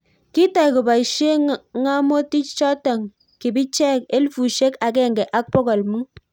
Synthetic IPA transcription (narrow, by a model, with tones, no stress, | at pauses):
ki˦ta˨jku˨ba˨i˨ʃe˦ŋa˦mo˦ti˦t͡ʃt͡ʃɔ˦tɔ˨ŋ | ki˨bi˦t͡ʃɛ˦ke˦lfu˨ʃe˦ka˨k̬ɛ˦˨ŋɡɛ˨ʔa˦k̚pɔ˦kɔ˨lmu˦